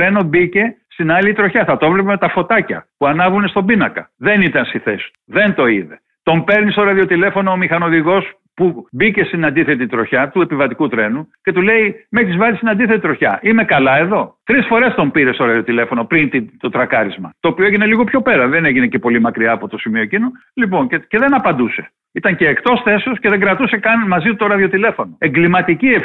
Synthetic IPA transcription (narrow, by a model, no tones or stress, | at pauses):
ɾe̞nobice̞st̪inɐlit̪ɾo̞çɐθɐt̪o̞vlepemet̪ɐfo̞t̪ɐcɐ̰puɐnɐvɾunest̪obinɐkɐ̰ðe̞nit̪ɐnsiθest̪uðe̞nt̪o̞iðe̞ | t̪o̞mpe̞ɾnist̪oɾɐðio̞t̪ile̞fo̞no̞ːmixɐno̞ðiɣo̞s | pubice̞st̪inɐnd̪iθe̞t̪it̪ɾo̞çɐt̪ue̞pivɐt̪ikut̪ɾe̞nuce̞t̪ule̞imexizvɐzist̪inɐnd̪iθet̪it̪ɾo̞çɐ̰ʔime̞kɐlɐe̞ðo̞t̪ɾisfo̞ɾe̞st̪o̞mpiɾe̞st̪o̞ɾɐðio̞t̪ilefo̞no̞pɾint̪it̪o̞t̪ɾɐkɐɾizmɐ̰t̪oːpioeʝine̞liɣo̞pçope̞ɾɐðe̞ne̞ʝinece̞po̞limɐkɾiɐːpo̞t̪o̞simio̞ecino̞ | lip̬o̞ncece̞ðe̞nɐpɐnd̪use̞̥ | it̪ɐŋce̞ːkt̪o̞sθe̞sosceðe̞ɡɾɐt̪use̞kɐnmɐzit̪o̞ɾɐðio̞t̪ile̞fo̞no̞e̞ŋɡlimɐt̪icie